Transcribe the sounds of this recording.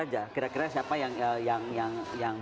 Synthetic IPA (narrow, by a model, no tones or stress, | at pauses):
ad͡ʒakiɾakiɾasiapajaŋəjaŋjaŋjaŋ